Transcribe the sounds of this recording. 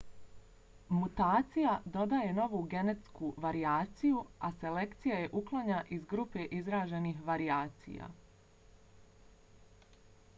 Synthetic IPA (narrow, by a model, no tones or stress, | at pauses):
mut̪aːt̪sijad̪o̞d̪aje̞no̞ʋuːɡe̞ne̞t̪skuʋaɾiaːt̪sijuase̞le̞kt̪sijaje̞ʔuklˠaɲaʔizɡɾupe̞ʔizɾaːʒe̞nixʋaɾiaːt̪sḭja̰